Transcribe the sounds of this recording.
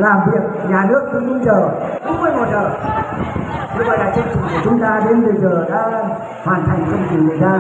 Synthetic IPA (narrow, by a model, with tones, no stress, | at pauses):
laː˨˩mvi˨˩ək̚ɲaː˨˩nɨ˦˥ək̚ɗɨ˧mu˧nt͡ɕəː˨˩ɗu˨˦˥t̚mɨ˧˩jmo˨˩t̚zəː˨˩ | kɨ˧vɔ̰˧˨jlaː˨˩t͡ɕɨ˧ŋt͡ɕʊ˨˩ŋ͡mku˧˩ət͡ɕʊ˨˦ŋ͡mt̪aː˧ɗe˨˦nvɨ˨˩˨zəː˨˩ɗa̰ː˧˥ | hwaː˨˩nt̪ʰa˨˩jŋ̟t͡ɕɔ˧ŋ͡mzi˨˩ŋɨ˨˩ə˨jt̪aː˧